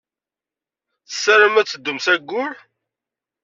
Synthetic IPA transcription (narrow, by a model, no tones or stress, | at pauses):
θə̥sːaɾəmæt͡sːəd̪ːʊmsæɡːʊl